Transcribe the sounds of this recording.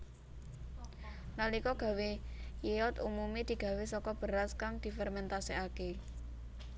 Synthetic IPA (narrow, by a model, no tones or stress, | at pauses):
nalikɔɡ̥ä̤wejeɔt̪umumid̪̥i̤ɡ̥ä̤wesɔkɔb̥ə̤ɾaskaŋd̪̥i̤fɛrmɛnt̪asiake